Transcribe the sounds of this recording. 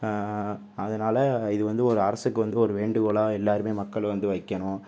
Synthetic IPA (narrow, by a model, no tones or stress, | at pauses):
ɐðɐnaːlɐɪðɯʋɐnd̪ɯɔɾɯɐɾɐsɯkːɯʋɐnd̪ɯɔɾɯʋeːɳɖɯɣoːɭãːɛlːaːɾɯmeːmɐkːɐɭʋɐnd̪ɯʋɐɪkːɐɳʊ̃